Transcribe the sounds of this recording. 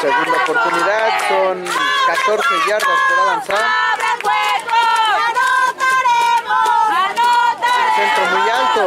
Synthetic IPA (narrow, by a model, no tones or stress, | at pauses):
seɣund̪aopoɾt̪uniðaðkoŋkat̪oɾseβjeɾdasd̪eβaβansaɾ | sent̪ɾomujalt̪o